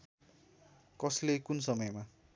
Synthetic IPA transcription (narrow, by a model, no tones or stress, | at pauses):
kʌslekunsʌmʌjma